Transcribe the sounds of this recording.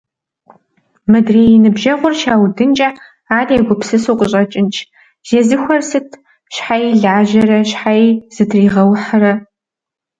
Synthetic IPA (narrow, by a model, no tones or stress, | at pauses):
mɨdreːjɪnɨbʒɐʁʷʊrʃaːwdɨnt͡ʃʼɐ | aːriɛɡʷʊpsɨsuːqʼəɕʼɐt͡ʃʼɪnt͡ʃʼ | ʒ̥ezɨxʷɐrsɨtʰ | ɕħajiɮaːʒɐɾɐɕħaiz̥ɨtʰriːʁɐwħɐɾɐ